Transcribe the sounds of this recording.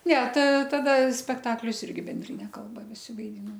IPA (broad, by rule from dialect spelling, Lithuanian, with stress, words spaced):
ˈnʲɛ tɐ ˈtɑːdɐ sʲpʲɛkˈtɑːklʲʊs ˈɪrʲɡʲɪ bʲɛnʲˈdʲrʲɪnʲɛ ˈkɐlˠbɐ ʋʲɪˈsʲɪ ʋɐɪˈdʲiːnoːm